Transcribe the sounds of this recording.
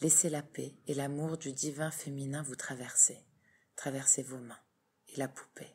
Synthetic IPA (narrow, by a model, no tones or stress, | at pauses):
leselapeelamuʁd̪yd̪ivɛ̃feminɛ̃vut̪χavɛʁse | t̪χavɛʁsevomɛ̃ | elapu̥pe